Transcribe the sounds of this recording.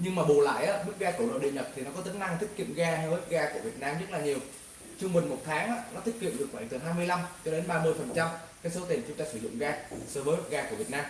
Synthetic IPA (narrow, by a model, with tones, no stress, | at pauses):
ɲɨ˧ŋmaː˨˩ɓo˨˩la̰ː˧˨jʔaː˨˦mɨ˦˥k̚ɣaː˧kə˧˩wlo̰˧˨˩ɗḭ˧˨ɲə˨˩t̚t̪ʰi˨˩nɔ˨˦kɔ˨˦t̪i˨˦ŋna˧ŋt̪ʰi˦˥k̟̚kḭ˧˨əmɣaː˧ht̚ɣaː˧ku˧˩əvi˨˩ət̚naː˧mzə˦˥t̚laː˨˩ɲi˨˩əw | t͡ɕɨ˧ŋ͡mmɨ˨˩nmo˨˩t̚t̪ʰaː˨˦ŋʔaː˨˦nɔ˨˦t̪ʰï̟˦˥kḭ˧˨mɗɨ˨˩ək̚fa˧˩jt̪ɨ˨˩ɦaː˧jmɨ˧əjla˧mt͡ɕɔ˧ɗe˨˦nɓaː˧mɨ˧əjfə˨˩nt͡ɕa˧mkaː˨˦jso˨˦t̪i˨˩nt͡ɕʊ˨˦ŋ͡mt̪aː˧sɨ˧˩zʊ̰˧˨ŋ͡mɣaː˧səː˧˩vəː˨˦jhə˦˥t̚ɣaː˧ku˧˩vi˨˩ət̚naː˧m